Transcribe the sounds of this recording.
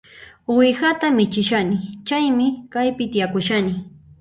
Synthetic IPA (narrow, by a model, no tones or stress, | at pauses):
wɪxat̪amɪt͡ʃɪʃanɪt͡ʃajmɪkajpɪt̪ijakʊʃanɪ